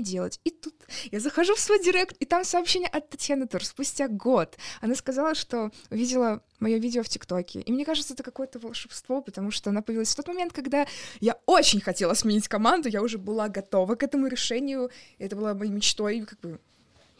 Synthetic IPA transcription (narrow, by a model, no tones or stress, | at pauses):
dʲelˠətʲit̪ut̪jazəxɐʐufsvojdʲɪɾʲekt̪it̪amsɐːpɕenʲɪjəʔɐt̪ːɐtʲjanət̪urspʊsʲtʲaɡo̞t̪ɐnaskɐzalˠəʂt̪o̞ʊvʲidʲɪlˠə | mɐjo̞vʲidʲɪoftʲɪkt̪o̞kʲɪ̰ʔḭmnʲe̞kaʐɨt̪səɛt̪əkɐko̞jət̪əvəlˠʂɨpst̪vo̞pət̪ɐmuʂt̪oɐnapəjvʲilˠasʲft̪o̞t̪mɐmʲet̪kɐɡd̪ajaot͡ɕɪnʲxɐtʲe̞lˠəsmʲɪnʲitʲkɐmand̪ʊjaʊʐɛbɨlˠaɡɐt̪o̞vəkɛt̪əmʊɾʲɪʂɛnʲɪjʊɪɛt̪əbɨlˠamɐjimʲɪt͡ɕt̪o̞jkaɡ̚bɨ